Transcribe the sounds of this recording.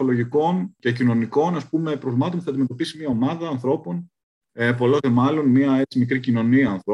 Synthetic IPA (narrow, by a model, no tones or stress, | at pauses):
olo̞ʝiko̞nce̞cino̞niko̞nɐspume̞pɾovmɐt̪o̞npuθɐːɐd̪ime̞t̪o̞pisimɲiɐo̞mɐðɐːnθɾo̞po̞n | epo̞lozemɐlo̞nmiɐe̞t͡simikɾicino̞niɐːnθɾo